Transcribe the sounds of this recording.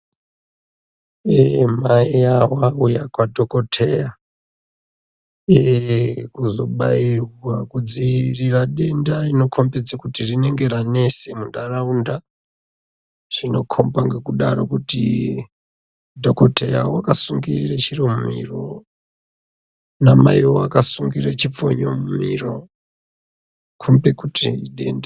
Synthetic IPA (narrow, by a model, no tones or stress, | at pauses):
emaiawaujakwadʱoko̞tʰe̞ja | ekuzo̞ɓairwakud͡ziiriraɗe̞ndarino̞kʰombed͡zakutirine̞ŋɡe̞ɾane̞semundaraunda | ʐino̞kʰombaŋɡekuɗaɾokuti | dʱokoteja̰owakasuŋɡiriret͡ʃiromumḭro̰ | namaiwoakasuŋɡiret͡ʃip͡fo̰ɲomumḭro | kʰumbekutʰiɗe̞nda